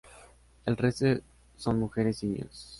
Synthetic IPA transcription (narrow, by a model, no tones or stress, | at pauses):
elrese | sonmuxeɾesino̰s